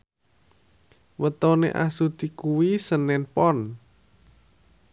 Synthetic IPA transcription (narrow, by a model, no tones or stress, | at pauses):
wət̪ɔnḛʔa̰sut̪ikuwisənɛnpɔn